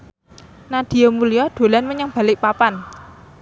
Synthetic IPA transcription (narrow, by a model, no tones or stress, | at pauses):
nad̪̥i̤jɔmulijɔɖ̪̥o̤lanməɲəŋb̥ä̤lɪʔpapan